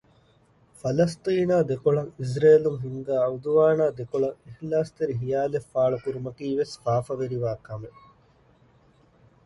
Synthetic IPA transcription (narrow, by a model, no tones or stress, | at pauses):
fɐlɐst̪iːnaːd̪ekoɭɐŋis̬ɾeːluŋɦiŋɡaːɐud̪uʋaːnaːd̪ekoɭɐŋehlaːst̪eɾiɦijaːlefːaːɭɐk̪uɾumɐkiːʋesfaːfɐʋeɾiʋaːkɐme